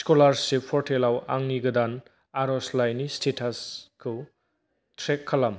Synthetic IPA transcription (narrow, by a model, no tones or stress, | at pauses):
skolaɾsepʰɔɾtʰelawa̰ŋniɡɐd̪an | aɾɔslajnistʰetʰaskʰɯ | tʰɾekʰːalam